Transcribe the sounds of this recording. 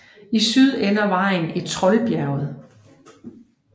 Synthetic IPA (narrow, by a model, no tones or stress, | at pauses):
isyð̞ˠenɐʋɑ̈ɪn̩e̝d̥̚t͡sʰʁɒ̽ɪb̥jæɐʊð̩ˠ